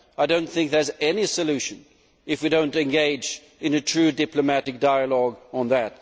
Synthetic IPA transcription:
aɪdõʊ̃nθɪ̃ŋk̚ðə˞zɛnisɨlʉʃɨ̃n | ɨfwidõʊ̃ntɨ̃nɡeɪd͡ʒ | ɨ̃nɨtʰɹ̥ʉdɪplɨmæɾɨk̚d̥aɪəlɔɡə̃nðɨt̚

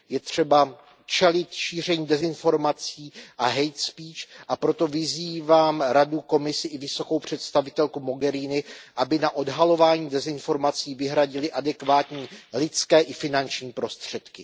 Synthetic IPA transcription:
jɛt̪r̝̥ɛba | t͡ʃɛlɪt̪ʃiːr̝ɛɲiːdɛzɪnfo̞ɾmat͡siːʔaɦɛjt̪spiːt͡ʃʔapɾo̞t̪o̞vɪziːvaːmɾaduko̞mɪsɪʔɪvɪso̞ko̞wpr̝̥ɛt̪st̪avɪt̪ɛlkumo̞ɡɛɾiːnɪʔabɪnaʔo̞dɦalo̞vaːɲiːdɛzɪnfo̞ɾmat͡siːvɪɦɾaɟɪlɪʔadɛkvaːt̪ɲiːlɪt͡skɛːʔɪfɪnant͡ʃɲiːpɾo̞st̪r̝̥ɛt̪kɪ

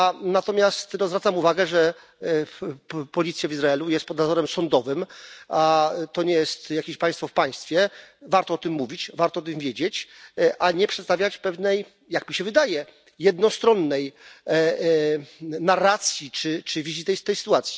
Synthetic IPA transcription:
anat̪ɔmʲjast̪nɔzvɾat̪samuvaɡɛʐɛ | pɔlʲit̪sʲjavʲizɾaɛlujɛst̪pɔd̪nazɔɾɛmsɔnd̪ɔvɘmat̪ɔɲɛjɛst̪jakʲeɕpãj̃st̪fɔfpaj̃st̪fʲjɛvaɾt̪ɔɔt̪ɘmːuvʲit͡ɕvaɾt̪ɔɔt̪ɨmvʲjed͡ʑet͡ɕʔaɲɛpʂɛt̪st̪avʲjat͡ɕpɛvnɛj | jakmʲiɕɛvɘd̪ajɛ | jɛd̪̚nɔst̪ɾɔnːɛj | naɾːat̪sʲjit͡ʂɘt͡ʂɘvʲizit̪ɛjst̪ɛjsɘ̥t̪uat̪sʲji̥

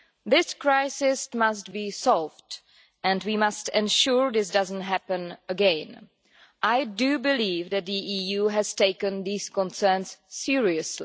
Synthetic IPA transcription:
ðɪskɹaɪsɪsmastbiːsɔlvd | ʔɛ̃ndwiːmastɛ̃nʃuɹðɪs̬dazən̩tɦæpə̃nəɡɛ̃n | ʔajdubɪliːvðɛt̚d̪iʔiːjuːɦɛzteɪkə̃nðiːskɔ̃nsɛ˞nsːɪɹiəsli

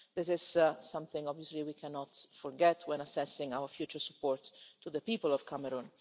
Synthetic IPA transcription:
d̪ɪsɪz̥sʌ̃mθɪ̃ŋɔbviɔsliwikʰɛnɔt̪fɔɾɡɛt̪ʰwɛ̃nasɛsɪ̃ŋawəɾfjuːt͡ʃəɹsu̥pːɔːɾt̪ʰːuðəpiːpəlɔv̥kʰamɛɾũn

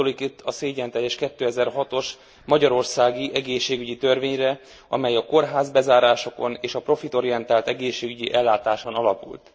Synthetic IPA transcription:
olikit̪ːɒseːɟɛnt̪ɛjːɛʃkɛt̪ːøːɛzɛrɦɒt̪o̞ʃ | mɒɟɒɾo̞rsaːɡiʔɛɡeːʃːeːɡyɟit̪ørveːɲrɛ | ɒ̰mɛjɒko̞rɦaːzbɛzaːɾaːʃo̞ko̞neːʃɒpro̞fit̪o̞ɾijɛnt̪aːlt̪ɛɡeːʃːeːɡyɟiʔɛlːaːt̪aːʃonɒlɒpṵlt̪

